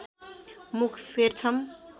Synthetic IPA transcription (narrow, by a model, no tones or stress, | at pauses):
mukʰfʰert͡sʰʌm